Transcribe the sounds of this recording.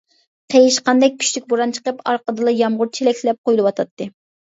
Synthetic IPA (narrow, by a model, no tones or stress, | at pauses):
qʰejiʃqɑnd̪ɛk̚ʲkʲʰːy̥ʃlykʲboɾɑnt͡ʃʰə̥qəpɑɾqəd̪ɨlˠɑjɑmʁʊɾt͡ʃʰelɛkʲllɛp̚qʰojulˠɨwɑt̪ʰɑt̪ʰːɨ